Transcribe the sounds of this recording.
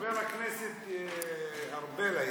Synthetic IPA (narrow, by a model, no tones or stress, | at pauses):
veɾakneset̪ | aɾbela